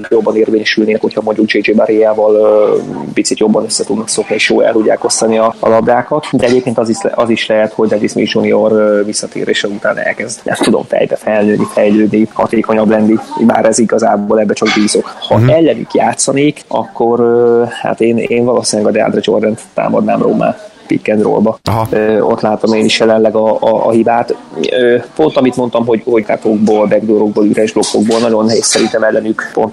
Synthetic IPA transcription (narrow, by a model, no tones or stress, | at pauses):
jo̞bːɒneːrveːɲɛʃylneːnɛkho̞chɒmo̞ɲɟukd͡ʒeːd͡ʒeːbaɾijaːvɒl | pit̪sit̪jo̞bːɒnøsːɛt̪ud̪nɒkso̞kniʃjoːjɛ̰lt̪uɟːa̰ːko̞st̪ɒniɒɒ̰lɒb̚d̪aːkɒt̪d̪ɛɛɟeːp̚keːnt̪ɒziɒziʃlɛɦɛt̪ho̞ɟd̪ɛd͡ʒismḭd͡ʒunio̞rvisːɒt̪ḛːɾḛːʃɛlut̪aːnɛ̰lkɛzd̪nɛ̰mt̪ud̪o̞̰mfɛ̰jbɛfɛlnøːnifɛjløːd̪nihɒ̰t̪eːko̞ɲɒblɛnːiba̰ːɾɛziɡɒzaːboːlɛbːɛt͡ʃɒɡbiːzokhɒɛlːɛnykjaːt̪sːɒneːkɒ̰kːoɾøha̰t̪eːneːnvɒloːsinlɛɡɒd̪ɛa̰d̪rɛd͡ʒo̞̰rd̪ɛnt̪ːa̰ːmɒ̰d̪na̰ːmro̰ːma̰ː | pit̪kɛnd̪ro̰lbɒøo̞̰t̪laːt̪omeːniʃjɛlɛnlɛɡɒɒ̰ːɦibaːt̪øːpo̞nt̪ɒmit̪mo̞nt̪ɒmɦo̞ɟho̞ɟka̰t̪oɡ̚boːlbɛɡd̪oɾoɡ̚boːlyɾɛʒblo̞kːo̞ɡ̚boːlnɒɟo̞nɦeːsɛɾint̪ɛmɛlːɛnykpo̞̰nt̪